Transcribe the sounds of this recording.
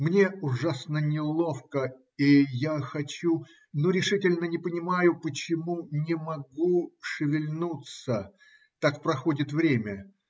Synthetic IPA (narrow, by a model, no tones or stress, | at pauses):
mnʲe̞ʊʐasnənʲɪlˠo̞fkə | ijaxɐt͡ɕu | noɾʲɪʂɨtʲɪlʲnənʲɪpənʲɪmajʊpət͡ɕɪmunʲɪmɐɡuʂɨvʲɪlʲnut̪sə | t̪akpɾɐxo̞dʲɪt̪vɾʲemʲə